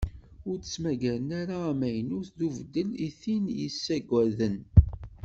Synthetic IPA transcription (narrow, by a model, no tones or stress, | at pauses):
ʊɾəsmæɡæɾənaɾaːmæjənʊθðuvəd̪ːəliθinjəsːæɡʷæðən